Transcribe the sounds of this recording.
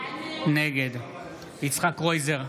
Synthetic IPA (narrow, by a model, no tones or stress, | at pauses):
neɡed̪ | it͡sχakʁojzeʁ